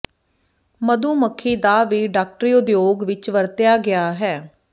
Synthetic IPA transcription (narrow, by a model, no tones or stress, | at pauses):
məd̪ũːməkʰːiːd̪aːʋiːɖaːk̚ʈɾiːʊd̪joːɡʋɪt͡ʃʋəɾt̪ɪjaːɡɪjaːɦɛː